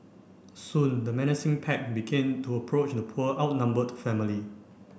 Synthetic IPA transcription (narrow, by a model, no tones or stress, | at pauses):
sũndəmɛnɪsĩŋpʰɛk̚biɡɛ̃ntʰuəpʰɹot͡ʃdəpʰuəʔaʊt̚nãmbədfɛmili